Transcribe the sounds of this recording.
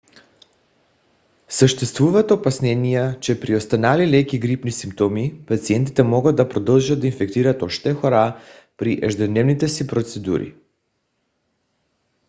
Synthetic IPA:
səʃt̪ɛst̪vuvat̪opasnɛnijat͡ʃɛpɾiost̪analilɛkiɡɾipnisimpt̪ɔmipat̪siɛnt̪it̪ɛmɔɡad̪̚d̪apɾɔd̪əlˠʒad̪d̪ainfɛkt̪iɾat̪oʃt̪ɛxoɾa | pɾiʔɛʒd̪ɛd̪nɛvnit̪ɛsipɾot̪sɛd̪ṵɾḭ

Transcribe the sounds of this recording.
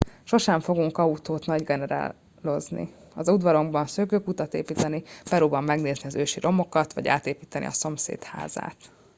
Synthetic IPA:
ʃo̞ʃɛɱfo̞ɡuŋkɒut̪oːt̪nɒɟɡɛnɛɾa̰ː | lo̞znḭ | ɒzud̪ʋɒɾo̞ɡbɒnsøːkøːkut̪ɒt̪ḛːpiːt̪ɛnipɛɾoːbɒmːɛɡneːzniɒzøːʃiɾo̞mo̞kɒt̪ʋɒ̰ɟa̰ːt̪eːpiːt̪ɛnʔḭɒ̰so̞msḛːt̪ha̰ːza̰ːt̪

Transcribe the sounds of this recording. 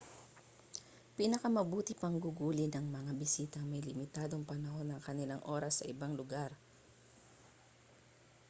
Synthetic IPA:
pinɐkɐmɐbuːt̪ɪpɐŋɡʊɡuːlɪnɐŋmɐŋabɪsiːt̪ɐŋmɐjlɪmɪt̪aːd̪o̞ŋpɐnɐho̞nːɐŋkɐnɪlaŋʔo̞ɾɐsːɐʔɪbaŋlʊɡaɾ

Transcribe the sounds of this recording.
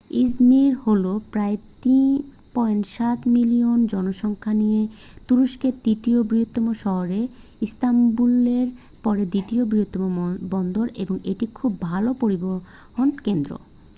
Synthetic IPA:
izmiɾholopɾaet̪in | pɔjnʃat̪miliond͡ʑɔnoʃɔŋkʰanije | t̪uɾuʃked̪it̪iobɾiɦot̪ːomoʃɔɦoɾeist̪ambuleɾ | pɔɾed̪it̪iobɾiɦot̪ːomobɔnd̪oɾḛboŋeʈikʰubːʱalopoɾiboɾ | ɦonkend̪ɾo̰

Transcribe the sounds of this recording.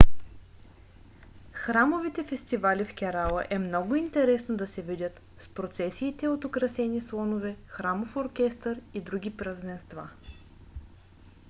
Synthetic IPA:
xɾamovit̪ɛfɛst̪ivalifkʲɛɾalˠə̰ʔɛmnɔɡʊint̪ɛɾɛsnod̪ɐsɛvidʲət̪ | spɾot̪sɛsiːt̪ɛot̪okɾɐsɛnislˠɔnovɛxɾamofoɾkʲɛst̪əɾid̪ɾuɡʲipɾɐzɛnst̪va̰

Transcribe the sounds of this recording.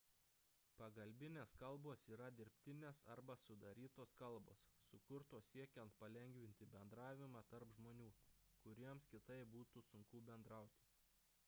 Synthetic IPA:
pɐɡɐlʲbʲɪnʲeːskɐlˠboːsiːɾɐd̪ʲɪɾʲpʲt̪ʲɪnʲeːsɐɾbɐsʊd̪ɐɾʲiːt̪oːskɐlˠbo̰ːsːʊkʊɾt̪oːssʲiɛkʲɛnt̪pɐlʲɛŋʲɡʋʲɪnʲt̪ʲɪbʲɛnd̪ɾɑːʋʲɪmɑt̪ɐɾpʒmoːnʲuːkʊɾʲiɛmskʲɪt̪ɐɪbuːt̪usʊŋkuːbʲɛnd̪ɾɑˑʊt̪ʲɪ̥

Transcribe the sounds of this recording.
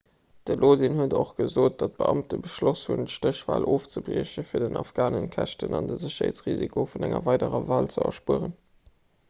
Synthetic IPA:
d̥əlʔoːdinhuədoχɡ̥əzoːt̚d̥ɑt̚b̥əʔɑmtəbəʃloshuntʃtəɕv̥aːlʔoːft͡səbliːɕəfiːɐdənɑfɡ̥aːnənkʰæʃtənɑndəzəɕɐhḛːt͡sʁizikʰofunæŋɐvɑɪdəʁəvaːlt͡səɐ̰ʃpuəʁən

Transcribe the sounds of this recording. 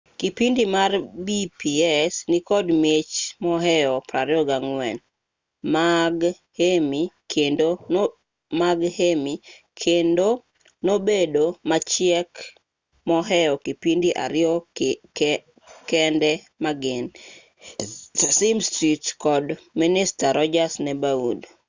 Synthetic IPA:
kipindimarbipiɛsnɪkɔdmet͡ʃmɔɦɛɔpɾaɾɪɔɡaŋwɛ̰n | maɡ | hemi | kʰendon | maɡhemi | kʰendo | nobedomat͡ʃɪɛk | mɔɦɛjɔkipindiʔa̰ɾɪɔ | kɛndɛ | maɡɪn | simstitkɔdminɪstaɾɔd͡ʒasnɛbaud

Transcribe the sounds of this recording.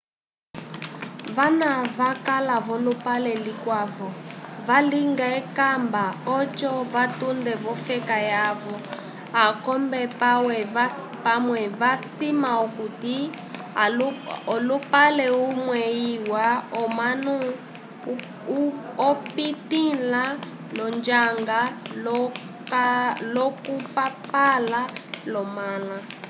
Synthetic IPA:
vanaβakalaβɔlupalɛlikwavɔvaliŋɡaɛkambaɔt͡ʃɔvatundɛβɔfɛkajaβɔ | akɔmbɛpwɛ | pamwɛβasimaɔkuti | ɔlupalɛumwɛiwaɔmanu | ɔpitila | lɔnd͡ʒaŋɡaɔ | lɔkupapalalɔmala

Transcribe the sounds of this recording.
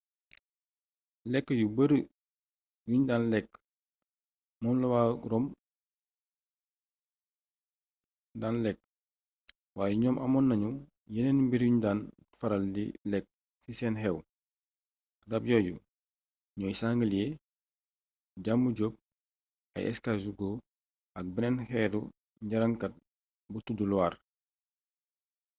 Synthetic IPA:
lɛkːəjubəɾə | juɲdaːnlɛk̚ | mɔːnlɐwaːɾɔːm | daːnlɛk̚ | waːjɛɲɔːmʔɐmɔnːɐɲu | jɛnɛnbiɾjuɲdaːn | fɐɾɐldḭlɛk̚ | sisɛːnɦɛw | dɐb̚jɔːju | ɲɔːjsaŋɡəlje | ɟamːuɟob̚ | ɐ̰jʔɛ̰skazuɡoː | ɐk̚biɾɛnhɛdu | ɲɟaɾɐŋkɐt̚ | butudulwaːɾ

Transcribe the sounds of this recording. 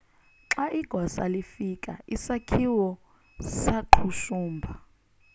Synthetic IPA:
ǁaʔiɡ̥ʱɔsa̰lifikʼaisakʰiwɔ | saǃʰuʃuːmbʱa

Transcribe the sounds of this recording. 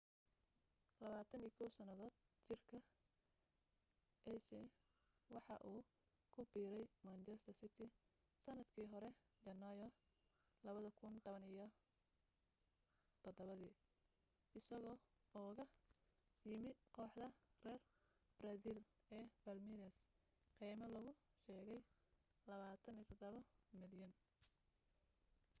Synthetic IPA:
lɐβaːt̪ʰɐnijkʰɔwsɐnɐðɔːd̪̥̚ | t͡ʃɪrkʰɐ | ʔɛsɛ | wɑħɑʔuː | kʰʊbiːɾɛjmɐnt͡ʃɛst̪ʰɐrsɪt̪ʰɪ | sɐnɐd̪kʰiːɦɔɾɛ | d͡ʒɐnːajɔ | lɐβɐðɐkʰʊnt̪ʰɔβɐnɪjɔ | t̪ʰɔd̪ɔβɐðiː | ɪsɐɣɔː | ɔːɣɐ | jɪmɪqɔːħd̪ɐrɛːr | brɐsil | ɛːbɐlmiɾɐs | qiːmɐlɐɣʊʃɛːɣɛj | lɐβaːt̪ʰɐniːt̪ʰɐd̪ɐβɐmɪljɐn

